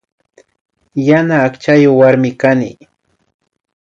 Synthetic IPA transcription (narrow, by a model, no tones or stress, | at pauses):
janaːkt͡ʃajowaɾmɪkanɪ̰